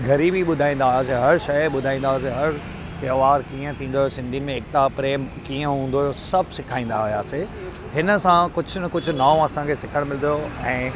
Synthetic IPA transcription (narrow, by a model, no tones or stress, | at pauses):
ɡʱɐɾiːbiɓʊd̪ʱaːĩːnd̪aːɦʊjas̬eɦɐɾʃɐjɓʊd̪ʱaːĩːnd̪aːs̬eɦɐɾ | t̪joːʋaːɾkiːə̃t̪ʰĩːn̆d̪oosɪ̃nd̪ʱimẽɪk̚t̪apɾeːmkiːə̃ɦũːn̆d̪oosɐbʱsɪkʰaːĩːn̆d̪aɦijaːse | ɦɪnə̆sãkʊd͡ʑʱʊnkʊd͡ʑʱʊ̆naːõɐsãkʰesɪkʰəɽ̃mɪld̪ijoɛ̃ː